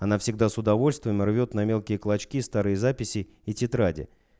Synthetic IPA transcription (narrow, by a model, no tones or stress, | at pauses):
ɐnafsʲɪɡd̪asʊd̪ɐvo̞lʲst̪vəmʲɪrvʲo̞t̪nɐmʲe̞lˠkʲɪjəklˠɐt͡ɕkʲist̪aɾɨjəzapʲɪsʲɪ | itʲɪt̪ɾadʲɪ̰